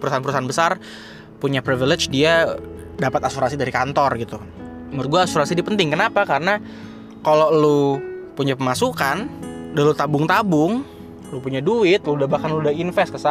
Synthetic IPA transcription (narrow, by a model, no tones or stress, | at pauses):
pəɾusanpəɾusaanbəsar | puɲapɾiviled͡ʒdia | dapat̪asuɾasidaɾikant̪ɔrɡit̪u | mʊrt̪̚ɡuaːsuɾasidipənt̪ɪŋkənapakaɾəna | kalolupuɲapəmasukandalut̪abʊŋt̪abʊŋ | lupuɲaduɪt̪̚ludahbahkanludainfɛst̪̚kəsa